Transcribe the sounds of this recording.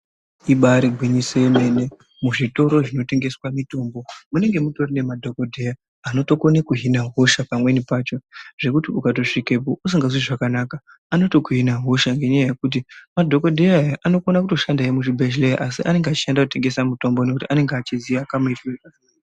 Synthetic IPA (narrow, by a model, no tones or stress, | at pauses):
iɓaɾiɡʱwiɲiseme̞ne̞ | muʐito̞ɾo̞ʐino̞te̞ŋɡe̞swamito̞mbo̞mune̞ŋɡe̞muto̞rine̞madʱo̞ko̞dʱeja | ano̞to̞ko̞nekuɦinaɦo̞ʃapamwe̞nipaːt͡ʃo̞ʐe̞kutiukat̬o̞ʂikep̬ousiŋɡazwiʐakanaka | ano̞to̞kuɦinaɦo̞ʃaŋɡe̞ɲajaje̞kut̬imadʱo̞ko̞dʱeajaʔano̞konak̬uto̞ʃandaemuʐibʱeʃlej̰ʔasiʔane̞ŋɡeat͡ʃi̥andakute̞ŋɡe̞samuto̞mbonek̬utiane̞ŋɡat͡ʃiziʋakamuiteka